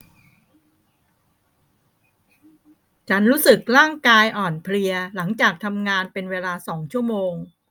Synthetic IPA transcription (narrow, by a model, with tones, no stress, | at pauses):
t͡ɕʰa˦˥nɾuː˦˥sɯ˨˩k̚ɾaː˥˩ŋkaː˧jʔɔː˨˩npʰli˧ɐla˩˦ŋt͡ɕaː˨˩k̚t̪ʰa˧mŋaː˧npe˧nweː˧laː˧sɔː˩˦ŋt͡ɕʰu˥˩əmoː˧ŋ